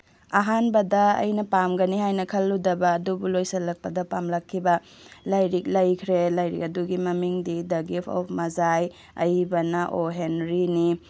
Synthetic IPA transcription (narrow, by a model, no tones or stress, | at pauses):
ɐɦanbɐdɐɐ̰jnɐpamɡɐnihajnɐkʰɐlːudɐbɐːdubulojsɐlːɐk̚pɐdɐpamlɐkʰːibɐ | lajɾik̚lɐjkʰɾelajɾḭk̚ɐduɡimɐmiŋdidɐɡipʰɔ̰pʰmɐzaj | ɐ̰jbɐnɐʔoɦenɾini